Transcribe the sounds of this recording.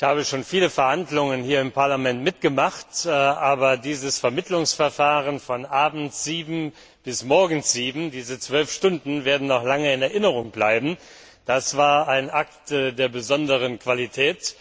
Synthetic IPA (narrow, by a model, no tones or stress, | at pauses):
ɪçhaːbəʃoːnfiːləfɛɐhandlʊŋənhiːɐɪmpaɐlamɛntmɪtɡ̥əmaχtʔaːbɐdiːzəsfɛɐmɪtʰlʊŋsfɛɐfaːʁənfɔnʔaːbm̩tz̥iːbm̩ | b̥ɪsmɔɐɡŋ̩z̥iːbm̩diːzət͡sv̥œlfʃtʊndn̩veːɐdn̩nɔχlaŋəɪnɛɐʔɪnəʁʊŋblaɪbm̩ | d̥asv̥aːɐaɪnʔaktːdeːɐbəzɔndəʁ̞ənkv̥alitʰɛːt